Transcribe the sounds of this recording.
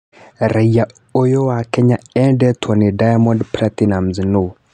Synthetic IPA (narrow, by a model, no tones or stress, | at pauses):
ɾʔaija | ojɔwakɛɲaɛdɛt̪ʰɔnidajamɔndpɾat̪inamzino